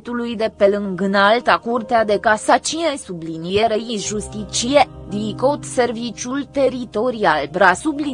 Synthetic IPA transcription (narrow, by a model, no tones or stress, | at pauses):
t̪ulujd̪e̞pe̞lɨŋɡɨnalt̪akurt̪ead̪e̞kasat͡ʃinesublinieɾeiʒust̪it͡ʃied̪ikot̪se̞rvit͡ʃult̪e̞ɾit̪o̞ɾialbɾasubli